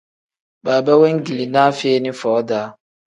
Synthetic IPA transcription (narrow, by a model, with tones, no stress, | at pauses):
baː˨ba˦we˦ŋ̩˦ɡi˨li˨na˦fe˦nɪ̃˦fɔː˨˦da˨˦